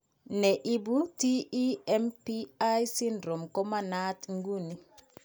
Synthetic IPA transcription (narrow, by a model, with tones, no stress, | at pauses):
nɛ˨ʔi˦bu˦ti˦i˦ɛ˦mpi˦a˦jsi˦ndɾo˨mkɔ˦ma˦na˦tŋɡu˦ni˨